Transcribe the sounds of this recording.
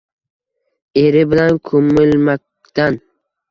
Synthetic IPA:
eɾɪbɪlankʰomːɪlmak̚ | d̪̥an

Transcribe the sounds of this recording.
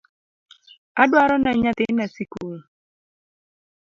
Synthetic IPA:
adwaɾɔnaɲat̪ɪnasikuu

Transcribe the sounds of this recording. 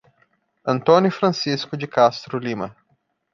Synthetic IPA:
ɐ̃nt̪õnjʊfɾɐ̃siskʊd͡ʒɪkast̪ɾʊlĩmɐ

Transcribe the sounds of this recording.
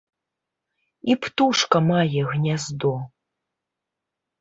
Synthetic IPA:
ipʰt̪uʂkɐmajɛɣnʲazd̪o

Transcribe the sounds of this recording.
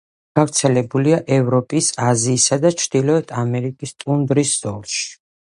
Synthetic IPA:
ɡ̥avɾt̪sʰɛlɛbuliaʔɛvɾɔpʼisaziːsad̪at͡ʃʰɾd̪̥ilɔɛt̪ʰamɛɾikʼist̪ʼund̪ɾiszɔlˠʃi̥

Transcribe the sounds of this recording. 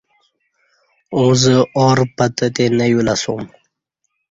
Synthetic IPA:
ozəoɾpat̪ət̪enajulasum

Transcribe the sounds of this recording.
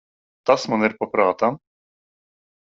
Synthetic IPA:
t̪asmɔnɛɾpɔpɾaːt̪am

